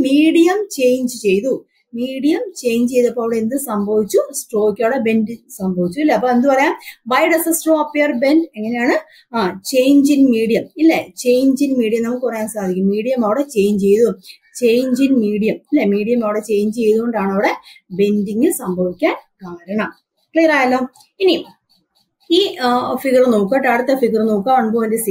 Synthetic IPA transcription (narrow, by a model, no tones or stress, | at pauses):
miːɽijɐmt͡ɕe̞jɲd͡ʑɨt͡ɕe̞jðu | miːɽijɐmt͡ɕe̞jɲd͡ʑɨt͡ɕe̞jðuɐpːoːɐʋiɽeend̪ɨsɐmbʱɐʋit͡ɕːusʈoːkʲːɐʋɽebe̞ndɨsɐmbʱɐʋit͡ɕːuilːeɐpːoːend̪ɨpɐrɐjaːnbɐjɖɐsɐsʈoːɐpːejɐrbe̞nde̞ŋːɐne̞jaːɳɨ | aːt͡ɕe̞jɲd͡ʑinmiːɽijɐmilːet͡ɕe̞jɲd͡ʑinmiːɽijɐmnɐmːukʲːikurɐjaːnsaːd̪ʱikʲːummiːɽijɐmɐʋiɽet͡ɕe̞jɲd͡ʑt͡ɕe̞jðu | t͡ɕe̞jɲd͡ʑinmiːɽijɐmilːemiːɽijɐmɐʋiɽe̞t͡ɕe̞jɲd͡ʑt͡ɕe̞jðuɣoɳɖaːɳɐʋiɽe̞be̞ndiŋɡɨsɐmbʱɐʋikʲːaːnkaːɾɐɳɐm | kleːɐɾaːjɐlːo | ini | iːfiɣɐrnoːkːɐʈːaːɽut̪ːefiɣɐrnoːkːaːɐɳboːʋɐndes